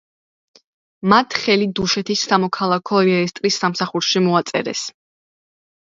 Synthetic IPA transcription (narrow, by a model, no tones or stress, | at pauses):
mat̪ʰχɛlid̪uʃɛt̪ʰisːamɔkʰalˠakʰɔiɛɾɛst̪ʼɾisːamsaχuɾʃimɔat̪sʼɛ̰ɾɛ̰s